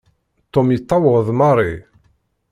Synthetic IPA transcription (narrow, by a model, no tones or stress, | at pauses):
t̪ːomjət̪ˤːɑwəʁðˤmɑrˤi